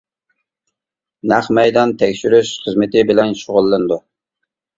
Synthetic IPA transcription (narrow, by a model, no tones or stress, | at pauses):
næχmɛjd̪ɑnt̪ʰɛkʲʃyɾyʃχəzmɨt̪ɪbɪlɛnʃoʁʊlˠːɨnd̪u